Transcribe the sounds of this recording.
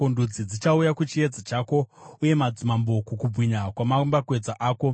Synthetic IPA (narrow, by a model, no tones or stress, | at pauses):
ondud͡zid͡zit͡ʃaujakut͡ʃie̞d͡zat͡ʃaːko̞uje̞mad͡zumambo̞kukub͡vʱwiɲakwamambakwe̞d͡zaʔaːko̞